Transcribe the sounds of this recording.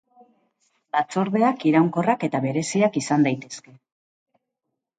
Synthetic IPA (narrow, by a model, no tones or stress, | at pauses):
lat͡so̞ɾð̞e̞akiɾawŋko̞rake̞t̪aβe̞ɾe̞siakisand̪ajt̪e̞ske̞